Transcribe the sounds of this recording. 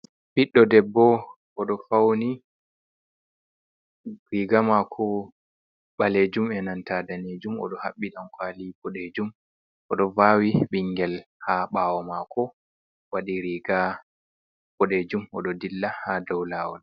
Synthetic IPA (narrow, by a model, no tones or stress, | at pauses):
fiɗːɔdɛbːɔ | ʔɔɗɔfawni | ɾiɡamakʰɔ | ɓaled͡ʒumɛnantadaned͡ʒumɔ̰ɗɔha̰ɓːiɗankwalipɔɗed͡ʒum | ʔɔɗɔvawiɓiŋɡɛlhaɓaːwɔmakʰɔ | waɗiɾiɡa | pɔɗed͡ʒumɔɗɔdilːahadɔwlawɔn